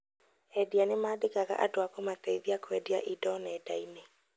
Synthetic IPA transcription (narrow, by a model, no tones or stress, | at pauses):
ɛdianemaːdekaɣa̰ʔadoakomatɛiðiakwɛdiaʔidɔnɛːdaine